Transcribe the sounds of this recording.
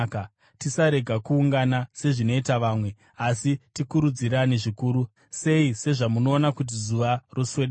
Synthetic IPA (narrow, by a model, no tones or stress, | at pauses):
ka | tisaɾe̞ɡʱakuːŋɡanase̞ʐino̞itaʋaːmwe̞ | asitikuɾud͡ziraniʐikuːɾu | se̞ise̞ʐamuno̞ːnakut̬izuʋarosweɗ